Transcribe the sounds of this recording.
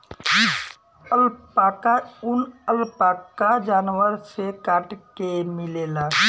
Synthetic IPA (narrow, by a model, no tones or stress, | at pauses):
əlpakaʊnəlpaːkad͡ʒaːnwəɾsekaːʈkemɪleːla